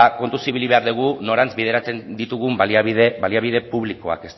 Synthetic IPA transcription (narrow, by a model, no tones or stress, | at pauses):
ako̞nt̪usiβiliβe̞aɾðuɣ̞uno̞ɾant͡sβið̞e̞ɾat͡send̪it̪uɣumbaliaβiðebaliaβiðe̞puβliko̞a̰ke̞st̪